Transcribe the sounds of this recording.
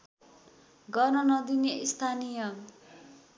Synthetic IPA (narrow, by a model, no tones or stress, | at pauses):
ɡʌrnʌnʌd̪ineist̪ʰanijʌ